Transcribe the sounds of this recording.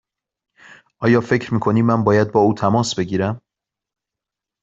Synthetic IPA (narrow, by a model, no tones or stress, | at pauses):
ʔɒːjɒːfecʰɾmiːkʰo̞niːmænbɒːjæd̪̚bɒːuːt̪ʰæmɒːsbe̞ɟiːɾæm